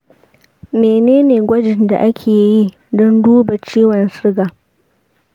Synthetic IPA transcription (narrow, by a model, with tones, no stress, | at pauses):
meː˨neː˦neː˨ɡʷɐ˦d͡ʒɪ˨nda̰˨ʔa˦kʲʰeː˨ji˦ | dɔ˦nduː˦ba˨t͡ʃiː˦wɐ˨nsɪ˦ɡaː˨